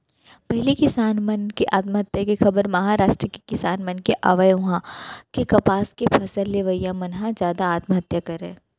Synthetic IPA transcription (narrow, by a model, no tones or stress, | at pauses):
pɛɦlikɪsaːnmɐnkeʔaːt̪məɦɐt̪jakixɐbəɾmɐɦaːɾaːʃʈɾəke̥kɪsaːnmɐnkeʔaːʋəjʊ̃ɦãkekɐpaːskepʰɐsəlleʋəjãmɐnɦãzjaːd̪aaːt̪mɦɐt̪jakɐɾḛ̃ː